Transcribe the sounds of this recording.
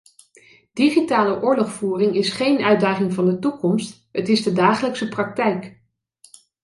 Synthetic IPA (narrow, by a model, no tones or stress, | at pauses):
d̥iχitaːləʔʊːɹlɔχfuːrɪŋɪsχejnœɥdaːχɪŋvɑndətukɔmst | ɦətɪzdədaːχələksəprɑk̚tɛjk